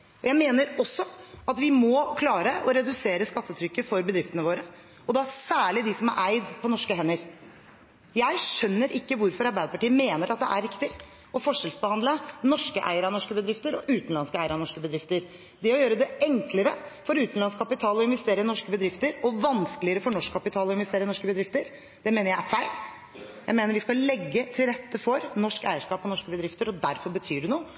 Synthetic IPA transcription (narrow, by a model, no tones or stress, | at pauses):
ɔjæɪmeːnəɾɔsːɔɑt̪ʋɪmɔkʰlɑːɾəʔɔɾɛd̪ʉseːɾəskɑt̪ːət̪ʰɾʏkːəfɔɾbəd̪ɾɪft̪ənəʋoːɾə | ɔd̪ɛæsæːɭɪd̪ɪsɔmæɾʔæɪd̪pʰɔnɔʂkəɦɛnːəɾ | jæɪʂœnːəɾʔɪkːəʋʊɾfɔɾɑɾbæɪd̪əpɑʈiːəmeːnəɾʔɑt̪̚d̪ɛ̰ʔæɾːɪkt̪ɪ | ɔfɔʂɛlsbəhɑnd̪lənɔʂkəʔæ̰ɪəɾɑnɔʂkəbəd̪ɾɪft̪əɾɔʔʉːt̪n̩lɑnskəæɪəɾɑnɔʂkəbəd̪ɾɪft̪əɾ | d̪ɛɔjøːɾəd̪ɛɛŋkləɾəfɔɾʉːt̪n̩lɑnskʰɑpɪt̪ʰɑːlɔɪnʋɛst̪eːɾənɔʂkəbəd̪ɾɪft̪əɾɔʋɑnskəlɪəɾəfɔɳɔʂkʰːɑpɪt̪ʰɑːlɔɪnʋɛst̪eːɾənɔʂkəbəd̪ɾɪft̪əɾ | d̪̥ɛmeːnəɾjæɪæɾfæɪl | jæɪmeːnəɾʋɪskɑlɛɡːət̪ʰɪlɾɛt̪ːəfɔɾnɔʂkæ̰ɪəʂkɑːpɔnɔʂkəbəd̪ɾɪft̪əɾɔd̪æɾfɔɾbət̪ʰyːɖɛnuːə